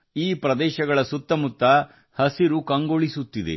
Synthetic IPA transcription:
iːpɾɐd̪ɛːʃɐɡɐɭɐsut̪ːɐmut̪ːɐ | hɐsiɾukɐŋɡoɭisut̪ːid̪ḛ

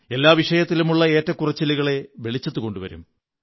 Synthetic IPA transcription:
e̞lːaːʋiʂɐjɐt̪ːilumuɭːɐe̞ːtːɐkːurɐt͡ɕːiliɣɐɭe̞ʋe̞ɭit͡ɕːɐt̪ːuko̞ɳɖuʋɐ̰ɾṵm

